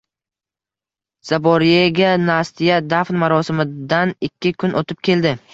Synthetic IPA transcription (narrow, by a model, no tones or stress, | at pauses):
z̥abɒɾijeɡʲanast̪ʰijad̪afnmaɾɒsɪmɪd̪anɪkʲʰːɪkʰʊnʔot̪ʰɪp̚kʲʰe̞ld̪ɪ